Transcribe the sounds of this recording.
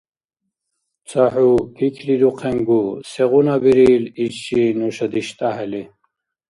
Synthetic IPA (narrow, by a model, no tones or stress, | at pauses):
t͡sʰaħupʰikʰlid̪uqʰɛŋɡusɛʁunabiɾiːliɕinuɕɐd̪iɕt̪ʼaɦɛli